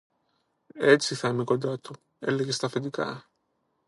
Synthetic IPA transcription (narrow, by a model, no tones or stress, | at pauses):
esːiθamekod̪at̪o | ḛlːeɣest̪ɐfet̪̬ika̰